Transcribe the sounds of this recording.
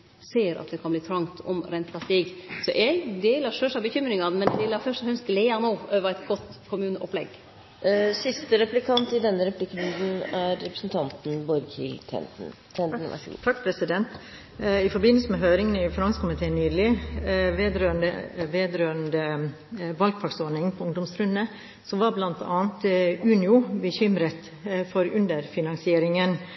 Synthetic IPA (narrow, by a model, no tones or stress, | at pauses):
seːɾɑ̰t̪̚d̪ɛkʰɑnbliːt̪ʰɾɑŋt̪ʰɔ̰mɾɛnt̪pʰɑst̪iːɡsɔʔɛɡd̪eːləʂøːʂɑbəçʏmɾɪŋɑnmɛnɛləɾfœʂt̪ɔhœnst̪leːɑnoːøːʋəɾæɪt̪ɡɔt̪ːkʰʊmʉːnəʔɔ̰plɛɡ | sɪst̪əɾɛplɪkʰɑnt̪ɪd̪ɛnːəɾɛplɪkːɾʉnd̪n̩æɾːɛpɾəsnt̪ʰɑnt̪n̩bɔɾkʰɪ̰lt̪ʰɛ̰ | t̪ʰɑkːpʰɾɛsɪd̪ɛnt̪ | ɪfɔɾbɪnːəlsəmɛɦøːɾɪŋənɪfɾɑŋsəkʰʊmɪt̪ʰeːnːyːd̪əlɪʋeːd̪ɾøːənd̪ə̰ʋeːd̪ɾøːənd̪ə | ʋɑlɡ̚pʰɑksɔɳɪŋpʰɔʊŋd̪ɔmsɾʉnːə | sɔmʋɑɾblɑnt̪ʰɑ̰ːnt̪ʉːnɪʊbəçʏmɾət̪ | fɔɾʉnd̪əɾfɪnɑŋsɪeːɾɪŋən